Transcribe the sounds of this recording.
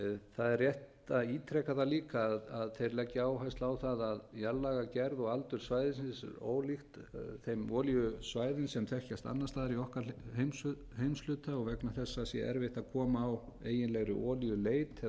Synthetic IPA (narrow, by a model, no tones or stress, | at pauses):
θaðɛrjɛht̪aiːt̪ʰɾɛkaðaliːkaːðaðθejɾlɛcːɪaːwɦajst̪laːwθaðaðjalːaɣacɛɾðɔɣalt̪ʏɾ̥svajðɪsɪnsɛ̰ɾo̰ːwlixt̪ | θejmɔːljʏsvaːjðɪnsɛmt̪ʰɛhcast̪a̰nːast̪aːðɪɾiɔhkahejm | hejmslʏːt̪aɔɣvɛknaθɛsːasjɛ̰ʔɛ̰ɾvɪht̪aðkʰɔːmaːweːjɪnlɛɣɾʏ̰ʔɔːljʏleːjt̪